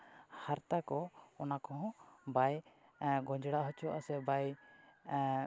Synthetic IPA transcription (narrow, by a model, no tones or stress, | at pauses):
haɾt̪akɔɔnakɔɦɔ̃baj | ɡɔ̃d͡ʒɽaʔɦɔt͡ʃʰuaʔasɛbaj